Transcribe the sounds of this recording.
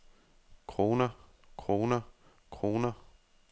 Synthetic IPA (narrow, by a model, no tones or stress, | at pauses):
kʰʁoːnɐ | kʰʁoːnɐ | kʰʁo̝ːnɐ